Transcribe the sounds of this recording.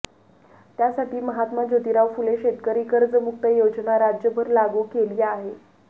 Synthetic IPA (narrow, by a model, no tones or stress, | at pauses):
t̪jasaʈʰiːməɦat̪mad͡ʑot̪iɾaʋfuleɕet̪kəɾiːkəɾd͡zəmuk̚t̪əjod͡znaɾad͡ʑjəbʱəɾlaɡukeliːaɦe